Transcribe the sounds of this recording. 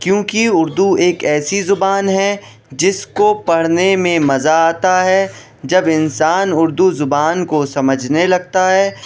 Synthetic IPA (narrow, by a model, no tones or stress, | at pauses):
kjõːkiʊɾd̪ueːkɛːsizʊbaːnɦɛ | d͡ʒɪskopɐɽ̤nemẽmɐzaaːt̪aɦɛ | d͡ʒɐbɪnsaːnʊɾd̪uzʊbaːnkosɐməd͡ʒʱnelɐɡ̚t̪aɦɛː